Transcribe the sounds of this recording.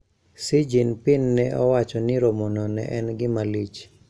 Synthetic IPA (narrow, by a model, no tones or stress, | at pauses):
sid͡ʒinpɪnːɛʔɔwat͡ʃɔnɪɾomɔnɔnɛ̰ʔɛnɡɪmalit͡ʃ